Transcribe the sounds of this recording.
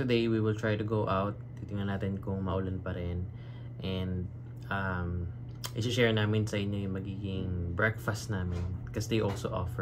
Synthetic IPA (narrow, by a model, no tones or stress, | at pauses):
t̪ʊd̪ejwiwɪlt̪ɹajt̪ʊɡowʔawt̪̚t̪it̪ɪŋɐnaːt̪ɪnkʊŋmɐʔʊlanpɐɾɛn | ʔɛ̃nd̪ | ʔam | ʔɪsɪʃɛɹŋnaːmɪnsɐʔɪɲːo̞jʊŋmɐɡiːɡɪŋbɹɛkfɐst̪naːmɪnkɐsd̪ejʔolsoʔɔ̰fɛ